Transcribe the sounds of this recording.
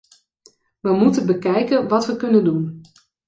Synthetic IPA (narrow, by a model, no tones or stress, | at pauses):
ʋəmutənbəkɛjkənʋɑtʋəkɵnəndun